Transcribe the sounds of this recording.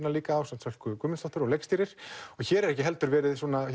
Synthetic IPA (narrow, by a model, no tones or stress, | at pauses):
naliːkaːwsamt̪sɛl̥kʏkʏːmʏɪnst̪ɔht̪ʏɾɔɣlejkst̪iːɾɪɾ̥ɔçɛːɾɛɾɛhcɪɦɛlt̪ʏɾvɛːɾɪðsɔːna